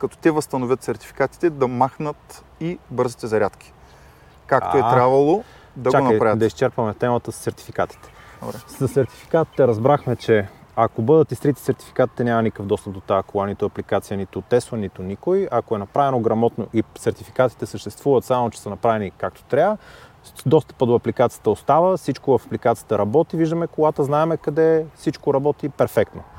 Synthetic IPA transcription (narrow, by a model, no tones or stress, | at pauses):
kɐt̪ɔ̥t̪ɛvɐst̪ɐnovʲət̪sɛɾt̪i̥fi̥kat̪i̥t̪ɛd̪ɐmaxnət̪ | ibɤɾzit̪ɛzɐɾʲat̪k̟ʲi̥ | kak̪oɛt̪ɾabvɐlˠo | d̪ɐɡt͡ʃaonɐpɾavəd̪ɐist͡ʃɛɾpɐmɛt̪ɛmət̪əssɛɾt̪i̥fikat̪i̥t̪ɛ̥̰bɾɛsɐsɛɾt̪i̥fi̥kat̪i̥t̪ɛɾɐzbɾaxmɛt͡ʃɛɐkobɤd̪ət̪ist̪ɾit̪i̥sɛɾt̪i̥fi̥kat̪it̪ɛnʲamɐnikəvd̪ɔst̪əp̚d̪ot̪akoanit̪ʊɐplikat̪sijənit̪ʊt̪ɛsvənit̪ʊnikojɐkoɛnɐpɾavɛnoɡɾɐmɔt̪noʔisɛɾt̪ifi̥kat̪i̥t̪ɛsəʃt̪ɛst̪vuvət̪samot͡ʃɛ̥sənɐpɾavɛnikak̚t̪o̥t̪ɾʲaə | d̪ɔst̪ə̥pəd̪oɐplikat̪sijə̥t̪əost̪avəsit͡ʃkovəfɐplikat̪sijə̥t̪əɾɐbɔt̪iviʒd̪əmɛkoɡat̪əznaɛmɛkɐd̪ɛsit͡ʃkoɾɐbɔt̪ipɛɾfɛkt̪no